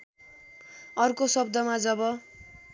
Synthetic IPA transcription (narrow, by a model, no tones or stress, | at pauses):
ʌrkosʌb̚d̪ʌmad͡zʌbʌ